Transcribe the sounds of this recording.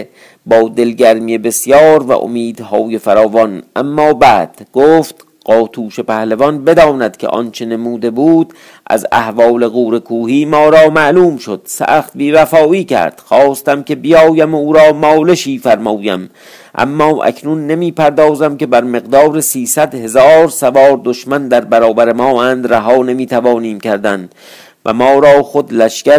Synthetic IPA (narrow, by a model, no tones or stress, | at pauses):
bɒːd̪e̞lɡæɾmijebe̞sjɒːɾvæ̰ʔo̰miːd̪̥hɒːje̞fæɾɒːvɒnʔæmːɒːbæːd̪̥ɡ̥oːft̪ | ɢ̥ɒːt̪ʰuːʃe̞pæhlevɒnbe̞d̪ɒːnæd̪̥kʲʰe̞̰ʔɒ̰nt͡ʃʰe̞nemuːd̪e̞buːd̪̥ | ʔæ̰zæ̰hvɒːle̞ɣuːɾe̞kʰuːhiːmɒːɾɒːmæʔluːmʃod̪̥sæ̰ːxt̪̚biːvæfɒːiːcʰæ̰ɾd̪̥xɒːst̪æmkʰe̞bijɒːjæmuːɾɒːmɒːle̞ʃiːfæɾmɒːjæ̰m | ʔæ̰mːɒːʔæ̰kʰnunːemiːpʰæɾd̪ɒːzæmkʲe̞bæɾme̞ɣd̪ɒːɾesiːsæd̪he̞zɒːɾsævɒːɾd̪oʃmænd̪æɾbæɾɒːbæɾemɒːʔæːnd̪ɾæɦɒːne̞miːt̪ʰævɒːniːmcʰæɾd̪ænd̪ | væ̰mɒːɾɒːxod̪læʃkæ